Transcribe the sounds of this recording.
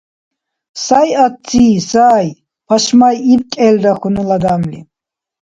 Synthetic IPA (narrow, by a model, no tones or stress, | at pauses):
sajatt͡siːsaːj | pʰaʃmajib̚kʼɛld̪aχunəlad̪amlḭ